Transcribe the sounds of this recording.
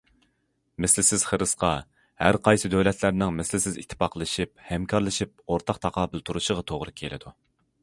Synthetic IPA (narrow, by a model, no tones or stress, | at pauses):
mɪslɪsɪz̥χəɾɨsqɑ | hæɾqʰɑjsɨd̪øwlɛt̪ʰlæɾnɪŋmɪslɪsɪzḭt̪ʰːɪ̥pɑqlˠɨʃip̚hɛmkʰɑɾlˠɨʃip̚oɾt̪ʰɑqt̪ʰɑqʰɑːbɪlˠt̪ʰuɾuʃəʁɑt̪ʰoʁɾɨkʲʰelɪ̰d̪u